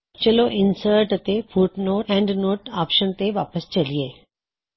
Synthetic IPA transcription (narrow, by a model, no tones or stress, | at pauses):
t͡ʃəloʔɪnsəɾʈət̪efʰuʈnoːɛ̃ːɳɖnoːʈaːpʃənt̪eʋaːpəst͡ʃɐlieː